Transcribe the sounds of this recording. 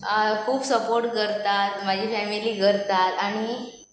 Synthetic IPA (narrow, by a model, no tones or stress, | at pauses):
kʰuːbsəpoɾʈ̚kəɾt̪at̪̚mad͡ʑʱifɛmiliːɡʱəɾt̪at̪aɽ̃i